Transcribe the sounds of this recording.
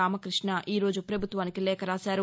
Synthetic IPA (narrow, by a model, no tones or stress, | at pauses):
aːmɐkɾiʂɳɐʔiːɾo̞ːd͡ʒupɾɐbʱut̪ʋaːnikilɛːkɐɾaːsaːɾu